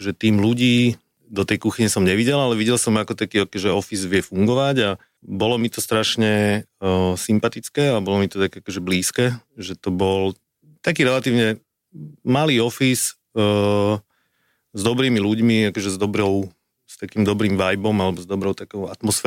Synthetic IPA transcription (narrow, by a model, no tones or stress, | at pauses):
ʒɛt̪iːmluɟiː | d̪ɔt̪ɛjkuxiɲɛsɔmɲɛʋiɟɛlalɛʋiɟɛlsɔmakɔt̪akiːɔkɔʒɛɔfizʋɪɛfuŋɡɔʋaɟa | bɔlɔmit̪ɔst̪ɾaʃɲɛ | simpat̪it͡skɛːabɔlɔmit̪ɔt̪akɛakɔʒɛbliːskɛːʒɛt̪ɔbɔl | t̪akiːɾɛlat̪iːʊɲɛ | maliːɔfis | zd̪ɔbɾiːmiluɟmiakɔʒɛzd̪ɔbɾɔʊ | st̪akiːmd̪ɔbɾiːmʋajbɔmalɛbɔzd̪ɔbɾɔʊt̪akɔʊat̪mɔsfɛ